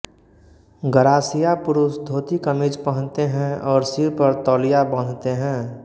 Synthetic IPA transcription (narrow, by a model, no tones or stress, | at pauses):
ɡəɾaːsijapʊɾʊsd̪ʱoːt̪ikəmid͡ʒpəɦə̃nt̪eɦɛ̃ɔːɾsiɾpəɾt̪ɔːlijabə̃nt̪eɦɛ̃ː